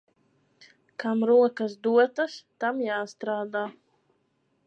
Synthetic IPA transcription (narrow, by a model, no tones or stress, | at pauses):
kamɾuɔkɐsd̪uɔt̪ast̪amjaːst̪ɾaːd̪aː